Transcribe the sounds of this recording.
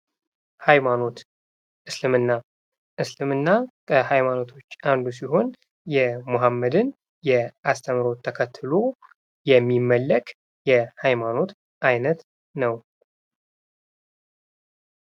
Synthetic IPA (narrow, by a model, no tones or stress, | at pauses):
hajmano̞t̪ | ʔɨslɨmɨnːa | ʔɨslɨmɨnːakʰəhajmano̞t̪ʰo̞t͡ʃːand̪us̬iɦo̞n | jɛmoɦamːəd̪ɨn | jɛʔast̪ʰəmɾo̞t̪ʰːəkʰət̪ʰːɨlo̞ | jɛmːimːəlːəkʼ | jɛhajmano̞t̪ | ʔajnət̪ | nəw